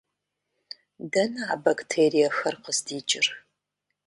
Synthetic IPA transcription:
dɐnɨaːbaktʰeːrijɐxɐrqəzdiːt͡ʃʼɪr

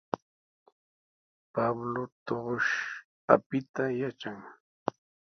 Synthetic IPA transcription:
pablot̪oɢoʃ | a̰pɪt̪ajat͡ʃaŋ

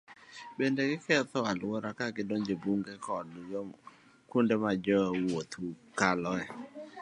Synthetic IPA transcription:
bendeɡɪkɛt̪ɔalwɔɾakaɡɪdoŋd͡ʒebuŋɡekɔdjɔ | kundemad͡ʒɔwot̪u | kalɔɛ

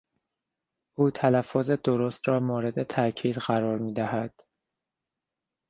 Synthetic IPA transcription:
ʔuːt̪ʰælæfːoːze̞d̪oɾost̪ɾɒːmoːɾe̞d̪e̞t̪ʰæʔcʰiːd̪ɢæɾɒːɾmiːd̪æhæd̪̥

